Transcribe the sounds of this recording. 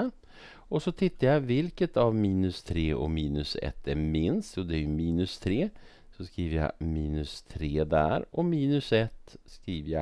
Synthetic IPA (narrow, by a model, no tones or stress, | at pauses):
ɔsɔt̪ʰɪt̪ːajavɪlkət̪ʰavmiːnɵst̪ʰɾeːʔɔ̰miːnɵsɛ̰t̪ʰːæɾmɪnst̪juːd̪ɛæjɵmiːnɵst̪ʰɾeː | sɔskɾiːvəɾja̰miːnɵst̪ʰɾeːd̪æ̰ɾʔɔmiːnɵsɛt̪ːskɾiːvəja̰